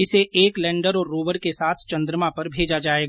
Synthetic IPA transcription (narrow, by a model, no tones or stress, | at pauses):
ɪseʔeːklɛ̃ːɳɖəɾɔːɾːuːʋəɾkesaːt̪ʰt͡ʃɐ̃nd̪ɾəmãpɐɾbʱeːd͡ʒad͡ʒaːeːɡ